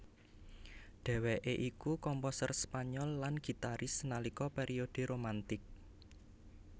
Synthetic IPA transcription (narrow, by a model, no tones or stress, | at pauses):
ɖ̪̥ɛ̤weʔeʔikukɔmposərspaɲɔlːanɡ̥i̤t̪aɾʔɪsnalikɔpeɾʔiod̪̥e̤ɾomant̪ɪk̚